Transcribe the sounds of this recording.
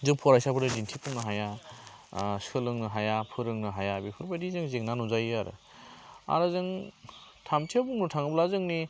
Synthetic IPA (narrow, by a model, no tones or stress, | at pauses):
zɯŋpʰɔɾajsabɯɾdɯdintʰipʰɯŋnɯɦaja | sɯlɯŋnɯɦajapʰɯɾɯŋnɯɦajabipʰɯɾbajdizɯŋzeŋnanuzajaɾɯ̰ | a̰ɾɯzɯŋ | tʰamtʰiabuŋnutʰaŋɯblazɯŋni